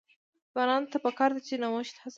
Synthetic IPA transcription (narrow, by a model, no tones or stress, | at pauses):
ɣɑnɑnt̪apəkɑɾd̪at͡ʃenawʊʃt̪has